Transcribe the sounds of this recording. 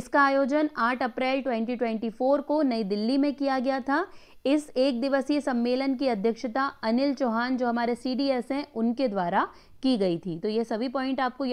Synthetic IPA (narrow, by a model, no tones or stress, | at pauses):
ɪskaaːjoːd͡ʒənaːʈʰɐpɾɛːlʈwɛ̃ːɳʈ̬iʈwɛ̃ɳʈifoːɾkonɐid̪ɪlːimẽkijaɡɐjat̪ʰa | ɪseːk̚d̪ɪʋəsjəsɐ̃mːeːlənkiɐd̪ʱjəkʃət̪aɐnɪlt͡ʃoːɦaːnd͡ʒoːɦɐmaːɾesiːɖiːɛsɦɛ̃ʔʊnked̪waːɾa | kiɡɐit̪ʰiːt̪ojesɐbʱipɔːɪ̃ɳʈaːp̚koj